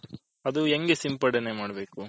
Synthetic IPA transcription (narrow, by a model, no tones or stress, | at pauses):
ɐd̪ueŋɡesimpɐɽɐnemaːɽɐbe̞ːku